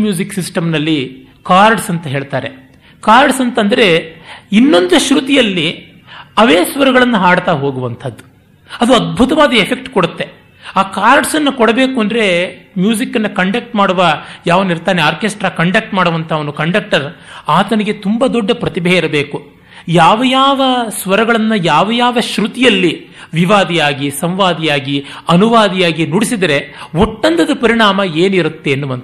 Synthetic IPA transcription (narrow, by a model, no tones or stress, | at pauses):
mjuːd͡ʒiksisʈɐmnɐlːi | kaːɾɖsɐnt̪ɐɦeːɭt̪aːɾe̞ | kaːɾɖsɐnt̪ɐnd̪ɐɾeinːo̞nd̪uʃɾut̪ijɐlːi | ɐʋeːsʋɐɾuɡɐɭɐnːɐɦaːɽt̪aːɦo̞ːɡuʋɐnt̪ʰɐd̪ːu̥ | ɐd̪uɐd̪̚bʱut̪ɐʋaːd̪ɐepʰe̞k̚ʈkoɽut̪ːe̞ | aːkaːɾɖsɐnːɐkɔɽɐbe̞ːkuɐnd̪ɐɾe̞mjuːd͡ʒikːɐnːɐkɐɳɖɐk̚ʈmaːɽuʋɐjaːʋɐniɾt̪aːneaːɾkesʈɾaːkɐɳɖɐk̚ʈmaːɽuʋɐnt̪ʰɐːʋɐnukɐɳɖɐk̚ʈɐɾaːt̪ɐnɐɡe̞t̪umbɐd̪ɔɖːɐpɾɐt̪ibʱɐjɐiɾɐbe̞ːku | jaːʋɐjaːʋɐsʋɐɾɐɡɐɭɐnːɐjaːʋɐjaːʋɐʃɾut̪ijɐlːi | ʋiʋaːd̪ijaːɡisɐmʋaːd̪ijaːɡi | ɐnuʋaːd̪ijaːɡinuɽisid̪ɐɾe̞oʈːɐnt̪ʰɐd̪upɐɾiɳaːmɐeːniɾut̪ːe̞ːnːubɐnt̪